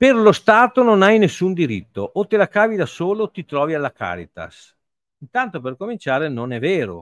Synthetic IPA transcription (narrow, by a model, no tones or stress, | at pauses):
perlost̪aːt̪ononajnesːund̪iɾit̪ːoʔot̪elakaːvid̪asoːlot̪it̪ɾɔːvialːaka̰ːɾḭt̪a̰s | int̪ant̪operkomint͡ʃaːɾenonɛvːeːɾo̰